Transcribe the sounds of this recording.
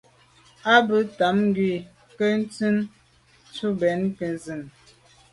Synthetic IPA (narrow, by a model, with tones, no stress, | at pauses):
a˦bə˨˦ta˨˦mŋ˦ɡɥwi˦˨ | kə˦n̩˦t͡sɨ˦n | t͡ʃu˦bɛ˨˦nkə˨nzɨ˨n